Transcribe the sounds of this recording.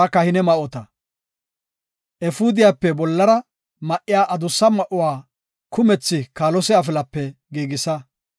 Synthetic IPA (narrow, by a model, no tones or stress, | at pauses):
kɐhɪnɛmɐʔɔt̪ɐ | ʔɛfʊd̪ɪjapːɛbɔlːɐɾɐ | mɐʔːɪjaːʔɐd̪ʊsːɐmɐʔʊwaː | kʊmɛt͡sːɪkaːlɔsɛɐf̬ɪlɐpːɛɡiːɡɪsɐ